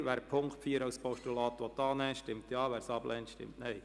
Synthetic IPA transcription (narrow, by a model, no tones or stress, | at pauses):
ʋæːɾpʰʊŋktfiːəɾɑwspʰɔʃtulɑːt̪ʋɔtɑːnɛʃtɪmt̪jɑːʋæːɾsɑb̥lʔɛntʃtɪ̰mtnɛɪ